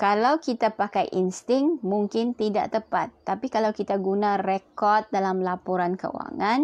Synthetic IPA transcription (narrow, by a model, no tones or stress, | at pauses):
kalawkit̪apakajʔinst̪ɪŋmuŋkɪnt̪ida̰ʔt̪əpat̪ːapikalawkit̪aɡunãrekɔrt̪̚dalamlapɔɾankə̰ṵwa̰ŋãn